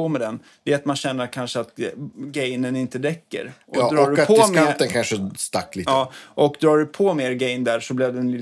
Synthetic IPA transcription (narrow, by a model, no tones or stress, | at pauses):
ɔmɛd̪ɛn | d̪̥ɛat̪manɕɛnːəɾkʰanʂəat̪ɡɛjnənɪnt̪əd̪ɛkːə̰ɾʔɔd̪ɾɑɔːɖpʰːmet̪ənkʰanʂəst̪a̰kːliːɑːʔɔkd̪ɾɑːɖɵpʰɔmeːɾɡɛjnd̪æːɾʂɔblɪvd̪ɛnlɪ